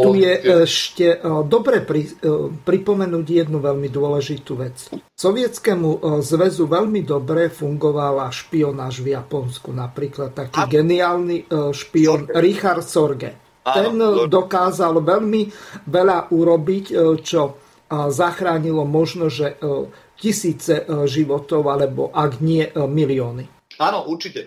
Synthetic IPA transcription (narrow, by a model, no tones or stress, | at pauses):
t̪ujɛɛʃcɛd̪ɔbɾɛpɾipɾipɔmɛnuːɟjɛd̪nuʋɛlmid̪ʊɔlɛʒit̪uʋɛt͡ssɔʋɪɛt͡skɛmuzʋɛzuʋɛʎmid̪ɔbɾɛfuŋɡɔʋalaʃpiɔnaːʒvjapɔnskunapɾiːklat̪ːakiːɡɛniaːlniʃpiɔnɾixaɾt̪sɔɾɡɛ̰ | ɛnd̪ɔkaːzalʋɛʎmiʋɛʎaʔuɾɔbict͡ʃɔ | zaxɾaːɲilɔmɔʒnɔʒɛ | cisiːt͡sɛʒiʋɔt̪ɔʊalɛbɔ̰ʔaɡɲɪɛmiliɔːni | aːnɔʔuɾt͡ʃicɛ